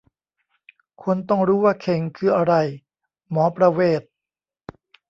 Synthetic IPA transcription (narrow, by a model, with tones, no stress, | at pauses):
kʰu˧nt̪ɔ˥˩ŋɾuː˦˥waː˥˩kʰe˧˩ŋkʰɯː˧ʔa˧ɾa˧j | mɔː˩˦pɾa˧weː˥˩t̪̚